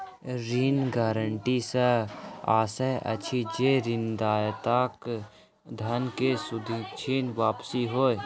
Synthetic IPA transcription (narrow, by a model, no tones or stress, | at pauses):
ɾiːnɡaːɾəɳʈisəa̰ːsəjə̰t͡ʃʰid͡ʒeɾɪnd̪aːjt̪ak | d̪ʱɐnkesʊd̪ʱit͡ʃʰiːnʋaːpsiɦoːe